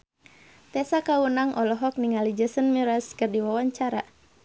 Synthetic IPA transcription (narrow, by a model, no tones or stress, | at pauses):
t̪ɛsakawunaŋʔɔlɔɦɔk̚niŋalid͡ʒəsənmiɾaskɨrdiwawaɲt͡ʃaɾa